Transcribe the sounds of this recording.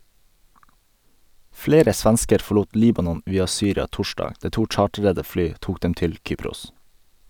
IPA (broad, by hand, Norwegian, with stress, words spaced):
ˈfleːɾə ˈsʋɛnskəɾ fɔˈɭuːt ˈliːbɑnɔn ˈʋiːɑ ˈsyːɾɑ ˈtɔʃdɑːɡ ˈdæː ˈʈuː ˈt͡ʃɑːʈɾədə ˈflyː ˈtuːk ˈdɛm ˈtɪl ˈkyːpɾʊs